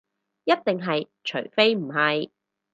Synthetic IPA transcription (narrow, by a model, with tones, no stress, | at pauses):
jɐ˥t̚t̪ɪ˨ŋɦɐ˨j | t͡ʃʰɵ˨˩ɥfe˥jm̩˨˩ɦɐ˨j